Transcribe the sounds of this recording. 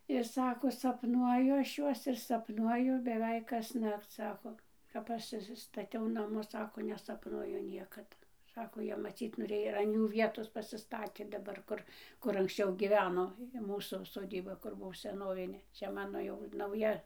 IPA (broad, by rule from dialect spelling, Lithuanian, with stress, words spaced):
ɪr ˈsɑːkoː sɐpˈnuɔjʊ ˈɐʃ ˈjuɔs ɪr sɐpˈnuɔjʊ bʲɛˈʋʲɛɪk kɐsˈnɐkt͡s ˈsɑːkoː kɐp ˈɐʃ ɪʃʲsʲɪstɐˈtʲɛʊ ˈnɑːmʊs ˈsɑːkoː nʲɛsɐpˈnuɔjʊ ˈnʲiɛkɐt ˈsɑːkoː ˈjiɛ mɐˈt͡sʲiːt noːˈrʲeːjoː ɪr ɐn ˈjuː ˈʋʲiɛtoːs pɐsʲɪˈstɑːtʲeː dɐˈbɐr ˈkʊr ˈkʊr ɐŋksʲˈt͡ʃʲɛʊ ɡʲiːˈʋʲæːnoː ɪ ˈmuːsuː soːˈdʲiːbɐ ˈkʊr ˈbuɔ sʲɛˈnoːʋʲɪnʲeː ˈt͡ʃʲɛ ˈmɑːnoː jɛʊ nɐʊˈjɛ